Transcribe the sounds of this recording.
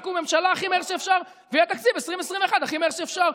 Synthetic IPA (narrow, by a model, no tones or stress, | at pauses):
kume̞mʃalaːχimeeʁʃeeːfʃaʁ | veiat̪akt͡sibesʁimvesʁimveːχad̪aχimeʁʃeːfʃaʁ